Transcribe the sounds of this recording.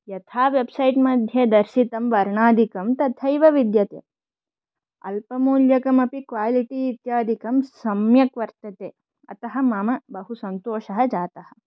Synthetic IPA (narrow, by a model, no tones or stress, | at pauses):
jɐt̪ʰaːʋebsɐjʈmɐd̪ʱjed̪ɐɾʃit̪ɐmʋɐɾɳaːd̪ʱikɐmt̪ɐt̪ʰɐjʋɐʋid̪jɐt̪ḛː | ɐ̰lpɐmuːljɐkɐmɐpikʋaːliʈiːt̪jaːd̪ʱikɐmsɐmjɐkʋɐɾt̪ɐt̪eː | ɐ̰t̪ɐɦɐmaːmɐbɐɦusɐnt̪oːʃɐɦɐd͡ʒaːt̪ɐhɐ̥̆